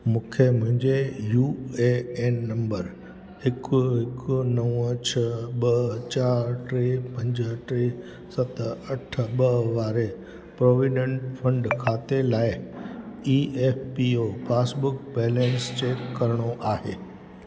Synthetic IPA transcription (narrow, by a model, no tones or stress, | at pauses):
mũːkʰemʊ̃ɦɪ̃ɲd͡ʑejuːeeːnːɐ̃mbəɾ | hɪkʊɦɪkʊnɐʋət͡ɕʰəɓɐɦt͡ɕaːɾʈɾeːpɐ̃ɲd͡ʑəɦʈɾeː | sɐt̪ɐʈ̆ʰɓɐɦʋaːɾe | pɾoːʋiɖə̃ɳʈfʰɐ̃ɳɖkʰaːt̪elaːɪ | iːeːfpiopaːsbʊkbeːlẽːnst͡ɕeːkːɐɾəɽ̃oʔaːɦeː